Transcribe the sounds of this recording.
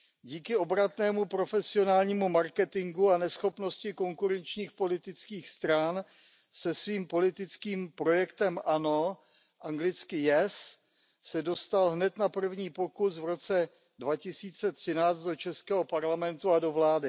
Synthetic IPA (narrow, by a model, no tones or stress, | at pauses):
ɟiːkɪo̞bɾat̪nɛːmupɾo̞fɛsɪo̞naːlɲiːmumaɾkɛt̪ɪŋɡuanɛsxo̞pno̞scɪko̞ŋkuɾɛnt͡ʃɲiːxpo̞lɪt̪ɪt͡skiːxst̪ɾan | sɛsviːmpo̞lɪt̪ɪt͡skiːmpɾo̞jɛkt̪ɛmʔano̞ | ʔaŋɡlɪt͡skɪjɛs | sɛdo̞st̪alɦnɛt̪napr̩vɲiːpo̞kusvɾo̞t͡sɛ | dvacɪsiːt͡sɛt̪r̝̥ɪnaːt͡st̪do̞t͡ʃɛskɛːɦo̞paɾlamɛnt̪uado̞vlaːdɪ